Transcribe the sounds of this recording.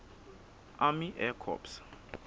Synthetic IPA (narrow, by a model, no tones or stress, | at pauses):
amiʔɛkʰɔ̰ps